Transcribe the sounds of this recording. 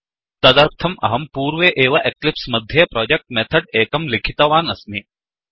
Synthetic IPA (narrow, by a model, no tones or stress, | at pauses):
t̪ɐd̪ɐɾt̪ʰɐmʔɐ̰ɦɐmpuːɾʋeʔeːʋɐʔeklipsmɐd̪ʱjɐpɾɔːd͡ʒek̚ʈ̚met̪ʰɐɖeːkɐmlikʰit̪ɐʋaːnɐsmi